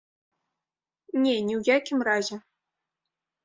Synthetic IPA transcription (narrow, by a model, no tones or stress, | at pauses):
nʲenʲiwjakʲimrazʲe